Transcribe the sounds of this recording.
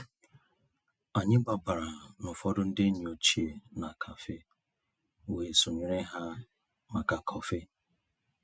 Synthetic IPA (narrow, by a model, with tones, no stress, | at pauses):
a˨ɲɪ˦ɡ͡ba˨ba˨ɾa˨nʊ˨fɔ˦dʊ˦n̩˦dɪ˦ɲi˨o˨t͡ʃi˦e˨na˨kʰa˨fe˦ | we˨so˨ɲi˨ɾe˦ɦa˦ | ma˨ka˨kʰɔ˨fe˦